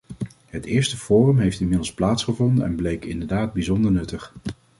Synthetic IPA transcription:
ɦətɪːɹstəfoːrəmɦejftɪnmɪdl̩ˠsplaːtsχəvɔndənɛ̰nblejkɪ̰ndəɹdaːd̚bizɔndəɹnɵtəχ

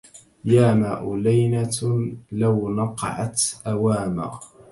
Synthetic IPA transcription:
jaːmaːʔʊlajna | lawnɑqɑ̰ʕɑ̰t̪ʔawaːma̰

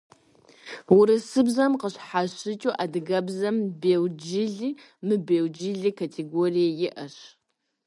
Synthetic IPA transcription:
wʊɾɨsɨbzɐmqəɕħaɕɪt͡ʃʼuːʔadɨɡɐbzɐmbeːwd͡ʒɪɮiː | mɨbeːwd͡ʒɪɮiːkʰatʰeɡorijɛjɪʔɐɕ

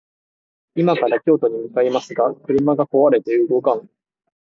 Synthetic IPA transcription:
imakaɾakʲo̞ːt̪o̞ɲ̟imɯ̟kaimasɨɡakɯ̟ɾɯ̟maɡako̞βaɾe̞t̪eɯːɡo̞kãŋ

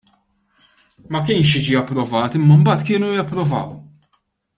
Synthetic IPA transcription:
mɐkɪːnʃ̬jɪd͡ʒiɐpːɾɔvɐːt̪ɪmːɐmbɐːt̪kɪːnujɐpːɾɔvɐ̰ːw

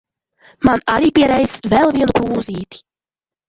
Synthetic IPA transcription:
manaɾiːpiɛɾɛjzvɛlˠviɛnupuːziːt̪i̥

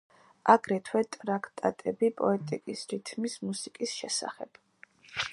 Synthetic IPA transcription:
aɡɾɛt̪ʰwɛt̪ʼɾakʰt̪ʼat̪ʼɛbipʼɔɛt̪ʼikʼisɾit̪ʰmismusikʼisʃɛsa̰χɛ̰b̥

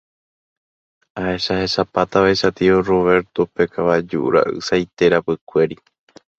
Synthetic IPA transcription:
aʔe̞ʃahe̞ʃapat̪aβaiʃat̪ioro̞βe̞ɾt̪ope̞kʰaβad͡ʒuʔṵɾa̰ʔɨ̰sajt̪e̞ɾapɨkʷe̞ɾi

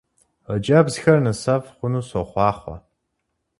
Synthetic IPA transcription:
əd͡ʒɐbzxɐrnɨsɐfχʷʊnuːsoχʷɑːχʷɐ̰

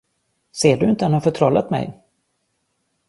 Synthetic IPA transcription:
seːɖɵɪnt̪əɛnhafœʈʰɾɔlːa̰t̪mɛ̰j

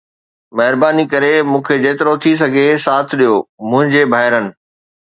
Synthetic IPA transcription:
mɐɦɪɾbaːnikɐɾemũːkʰed͡ʑeːt̪ɪɾot̪ʰis̬ɐɡʱesaːt̪ʰɪɗijomʊ̃ɦɪ̃ɲd͡ʑebʱaːɦɪɾənɪ̆

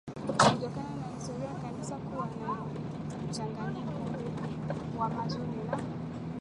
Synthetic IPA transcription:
kitɔkananahistɔɾiajkanisakuwana | m̩t͡ʃaŋɡaɲikɔuwamazunilaɔ

